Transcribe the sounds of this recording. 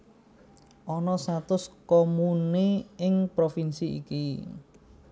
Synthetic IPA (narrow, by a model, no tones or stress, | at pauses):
ʔɔnɔsat̪ʊskomuniɪŋpɾofinsiḭki